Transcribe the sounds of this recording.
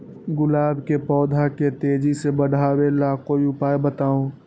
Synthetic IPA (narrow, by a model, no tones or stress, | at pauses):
ɡʊlaːbʱkepɔːd̪ʱaket̪eːd͡ʒisebəɽʱaːwelaːkoiʊpaːebət̪aːũ